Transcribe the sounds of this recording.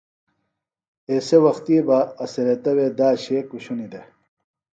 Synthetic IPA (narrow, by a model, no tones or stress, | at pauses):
eːsewɐxt̪iːbaːseɾet̪ɐwed̪aːɕekuɕunid̪e